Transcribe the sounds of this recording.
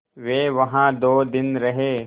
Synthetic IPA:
ʋeːʋɐɦãd̪oːd̪ɪnɾɐɦeː

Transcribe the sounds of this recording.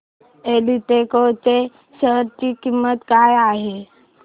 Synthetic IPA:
eːliʈekot̪e | səɾt̪ikimːət̪ɡaːjaːɦe

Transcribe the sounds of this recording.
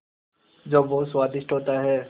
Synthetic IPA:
d͡ʒoːboːswaːd̪ɪʃʈɦoːt̪aɦɛː

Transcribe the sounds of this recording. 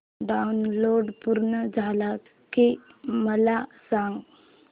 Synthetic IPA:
ɖawnloːɖpuɾɳəd͡ʒʱala | ke | məlasãŋɡ

